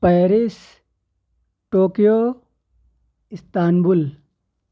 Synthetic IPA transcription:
pɐːɾis | ʈoːkijo | ɪst̪aːnbul

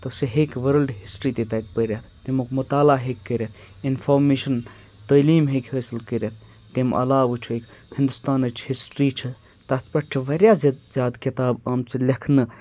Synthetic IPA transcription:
t̪ɐseɦekʋɐɾəlɖɦisʈɾit̪it̪ɐjk̪̚pəɾjat̪t̪imukmut̪aːlaɦekʲːəɾʲet̪ʰ | inpʰoːɾmeːʃɐn | t̪ɐːliːmɦekheːsilkəɾet̪̚ʰ | t̪imʔɐ̰laːʋɨt͡ʃʰuekhɪ̃nd̪ust̪aːnɐt͡ʃʰhisʈɾiːt͡ʃʰi | t̪ɐt̪ʰpɐʈ̚t͡ʃʰiʋɐɾʲjazzjaːd̪kit̪aːbaːmt͡silʲekʰnɨ

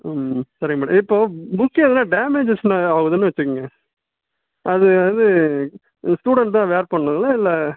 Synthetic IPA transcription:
sɐɾiŋɐmaːɽɐ̰̃ɪpːoːbʊkːeɐðɐnãːɖeːmeːd͡ʒɪsnãɐɣɯðɐnːɯʋɐt͡ʃːɯkːɯŋɡɐ | ʔɐðɯðɯ | sʈuːɽɐɳʈt̪ãːʋeːɾpɐɳːɯŋɡɐlːɐɪlːɐ

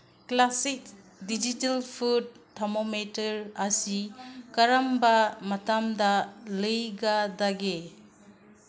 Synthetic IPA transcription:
klasik̚ | did͡ʒitalpʰud̚tʰːamometɐɾasikaɾambamatamdalɯjɡadaɡe

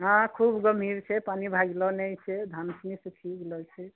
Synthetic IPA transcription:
ɦãkʰubɡəmʱiɾt͡ʃʰɛpanibʱaɡlɔnɛjt͡ʃʰɛd̪ʱansnisikʰiɡelɔt͡ʃʰɛ

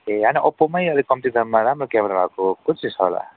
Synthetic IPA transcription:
eaniʔʌpomʌjʌlikʌmt̪id̪ʱʌnmaɾamrokameɾabʱakokut͡sʰisʰʌla̰

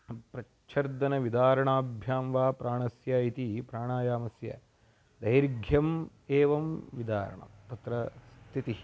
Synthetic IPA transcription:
pɾɐ | t͡ʃʰɐɾd̪ɐnɐʋid̪aːɾɐɳaːbʱjaːmʋaːpɾʔaːɳɐsjɐit̪ipɾaːɳaːjaːmɐsjɐ̰ | d̪ɐjɾɡʱjɐm | eːʋɐmʋid̪aːɾɐ̰ɳɐ̰mt̪ɐt̪ɾɐst̪ʰit̪i

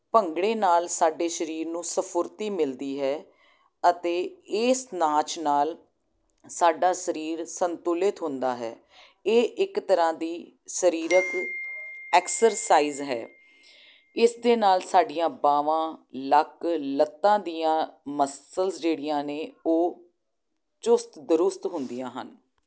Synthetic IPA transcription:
pəŋɡɽeːnaːlsaːɖeːʃəɾiːɾnũːsəpʰʊɾt̪iːmɪld̪iːɦɛː | ət̪eːɪːsnãːt͡ʃnaːl | saːɖaːʃəɾiːɾsənt̪ʊlɪt̪ɦʊ̃nd̪aːɦɛ̰ː | eːʔɪkt̪əɾãːd̪iː | ʃəɾiːɾək | ɛːksəɾsaːiːzɦɛ̰ː | ɪsd̪eːnaːlsaːɖijãːbaːʋãːləklət̪ːãːd̪iːãːməsəlsd͡ʒeːɽijãːneːoː | t͡ʃʊst̪d̪ʊɾʊst̪ɦʊnd̪ijãːɦə̰n

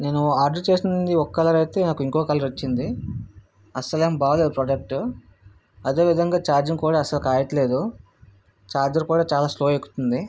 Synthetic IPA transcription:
ne̞ːnuaːɾɖɐɾt͡ʃe̞ːsind̪iɔkːɐlɐɾɐjt̪e̞ːnaːkuiŋkoːɡkaːlɐɾot͡ʃːind̪i | ɐsɐleːmbaːled̪upɾɔːɖɐk̚ʈ | ɐd̪e̞ːʋid̪ʱɐŋɡaːt͡ʃaːɾd͡ʒiŋkuːɽaːɐsɐlukaːjɐʈ̪ɐle̞ːd̪u | t͡ʃaːɾd͡ʒɐɾkuːɽaːt͡ʃaːlaːslo̞ːekːu̥t̪und̪i

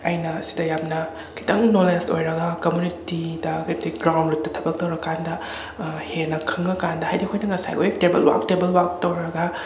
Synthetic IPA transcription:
ɐjnɐsi̥dɐjamnɐ | kʰi̥tɐŋnolesto̰jɾɐɡɐkomjunitidɐkʰjtɐɡɾawndɾut̚tɐtʰɐbɐk̚tɐwɾɐkandɐ | henɐkʰɯŋɐkandɐhajdikʰojnɐŋɐsa̰jʔojtebɐ̰lwa̰k̚tebɐlwak̚towɾɐɡɐ

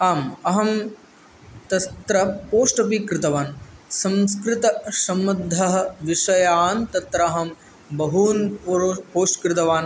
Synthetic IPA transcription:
aːmɐɦɐm | t̪ɐt̪ɾɐpoːʂʈɐp̬ikɾɪt̪ɐʋaːnsɐ̃mskɾɪt̪ɐsɐmːɐd̪ʱːɐɦɐ̆ʋiʂɐjaːnt̪ɐt̪ɾɐːɦɐm | bɐɦuːnppoːʂʈkɾɪt̪ɐʋaːn

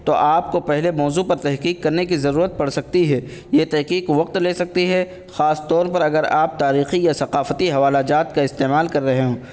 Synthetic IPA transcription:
t̪oʔaːp̚kopɛɦlemɔːzupɐɾt̪ɛɦqiːkːɐɾnekizɐɾuːɾət̪̚pɐɽsɐk̚t̪iɦɛːjet̪ɛɦqiːqʋɐq̚t̪leːsɐk̚t̪iɦɛ | xaːst̪ɔːɾpɐɾɐɡəɾaːp̚t̪aːɾiːxijasɐqaːfət̪iɦɐʋaːlad͡ʒaːt̪̚kaɪst̪eːmaːlkɐɾːɐɦeɦõː

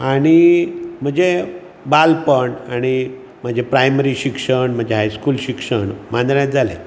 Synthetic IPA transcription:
aɽ̃im̤əd͡ʑe | balpəɳaɽ̃i | m̤əd͡ʑʱepɾajməɾiːɕikʂəɳm̤əd͡ʑeɦajskuːlɕikʂəɳmand̪ɾjat̪̚d͡zʱalḛ

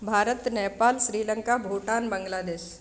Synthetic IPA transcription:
bʱaːɾət̪nɛːpaːlʃɾiːləŋkabʱoːʈaːnbəŋɡlaːd̪eːʃ

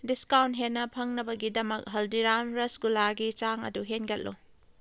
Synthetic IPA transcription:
diskawnt̚ɦenːɐpʰɐŋnɐbɐɡidɐmɐk̚ɦɐldiɾamɾɐsɡulaɡit͡ʃaŋɐ̰duɦenɡɐt̚lṵ

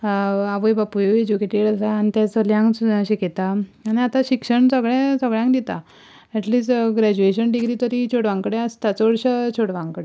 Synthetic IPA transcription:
aʋəjbapujoed͡ʑukeʈeɽasaːnit̪jat͡səljãŋɡɕiket̪aaniat̪aɕikʂəɳsəɡɭɛ̃səɡɭjãŋkd̪it̪a̰ | ɛʈliːsʈɡɾæd͡ʑueɕənɖiɡɾiːt̪əɾit͡ɕʰoɽʋãŋkɽɛast̪at͡sɔɽɕət͡ɕʰoɽʋãŋkɽe

